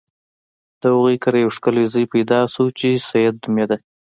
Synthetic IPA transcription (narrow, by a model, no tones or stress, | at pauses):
d̪̥əwaɣujkaɾajawʂkalizəjpajd̪ɑsut͡ʃesajad̪̚ːumjad̪a